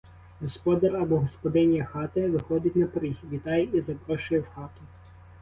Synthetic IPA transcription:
ɦɔspɔd̪ɐrɐbɔɦɔspɔd̪ɪnʲjɐxɑt̪ɪʋɪxɔd̪ʲɪtʲnɐpɾixʲʋʲit̪ɑjɛizɐbɾɔʃʊjɛwxɑt̪ʊ

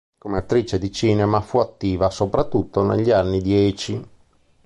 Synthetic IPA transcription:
komeat̪ːɾiːt͡ʃed̪it͡ʃiːnemafuat̪ːiːvasopɾat̪ːut̪ːonḛʎːianːid̪jɛːt͡ʃi

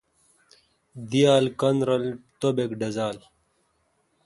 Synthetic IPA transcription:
d̪ijaːlkɐnɾɐlt̪obekɖɐzaːl

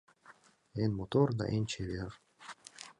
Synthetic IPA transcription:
enmot̪oɾd̪a̰ʔent͡ʃʰeβeɾ

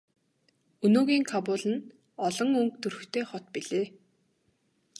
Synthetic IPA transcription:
ɵnoːɣiːŋkʰapʊːɮɘ̆n | ɔɮɞ̆ŋɵŋkt̪ɵrɵ̆t̪ʰeːχɔt̪piɮeː

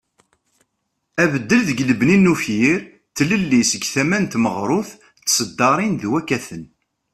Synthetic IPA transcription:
ævəd̪ːəlðəɡləbninːufjiɾ | θləlːisəɡθæmænt̪məʁɾˤʊθ | t͡sːsəd̪ːɑɾˤinðwækːæθən

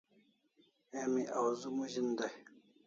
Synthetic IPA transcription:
emiʔawzumuʑind̪aj

